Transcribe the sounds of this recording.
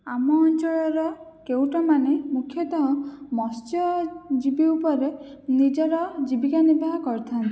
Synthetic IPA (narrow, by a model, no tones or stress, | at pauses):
amɔːnt͡ʃɔɭɔɾɔ | kewʈɔmanemukʰjɔt̪ɔɦɔ̃mɔst͡ʃɔd͡ʒibiupɔɾe | nid͡ʒɔɾɔd͡ʒibikanibʱaɦɔkɔɾt̪ʰant̪i